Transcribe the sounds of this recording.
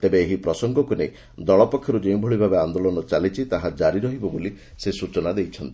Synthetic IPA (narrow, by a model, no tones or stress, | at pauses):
t̪ebeːɦipɾɔsɔŋɡɔkunḛj | d̪ɔɭɔpɔkʰːjɔɾud͡ʒeũbʱoɭibʱabeand̪olɔnɔt͡ʃalit͡ʃʰit̪aɦad͡ʒaɾiɾɔɦibɔboli | sesut͡ʃɔnad̪ejt͡ʃʰɔnt̪i